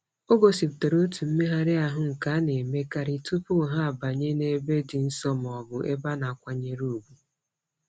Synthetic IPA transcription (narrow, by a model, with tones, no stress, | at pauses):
o˦ɡo˨si˨pte˨ɾo˦tu˨m̩˦me˦ɦa˦ɾɪ˦a˨ɦʊ˦ŋ̩˨ka˨˦ne˨me˦ka˨ɾi˨tu˦pʊ˦˨ɦa˦a˨ba˨ɲe˦ne˦be˦dɪ˨n̩˦sɔ˦m˨ɔ˨bʊ˨ʔe˦ba˦na˨a˨kʷa˦ɲe˦ɾu˦˨u˨bu˦